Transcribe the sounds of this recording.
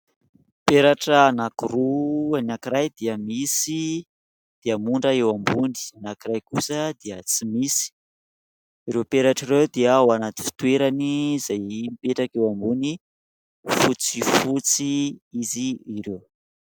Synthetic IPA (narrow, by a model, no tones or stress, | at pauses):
peɾaʈ͡ʂənakuruanakiɾajd̪iəmisi | d̪̥iəmuɳɖ͡ʐəewambuni̥nakiɾajkusəd̪iət͡simisi̥ | iɾewpeɾaʈ͡ʂiɾewd̪iaoanat̪i̥fi̥t̪weɾanizajmipeʈ͡ʂakewambuni | fut͡sifut͡siiziːɾew